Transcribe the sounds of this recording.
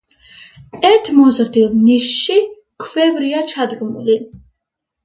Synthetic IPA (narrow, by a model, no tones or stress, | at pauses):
ɛɾt̪ʰmuzəʁd̪ilniʃːi | kʰvɛvɾijat͡ʃʰad̪ɡmṵli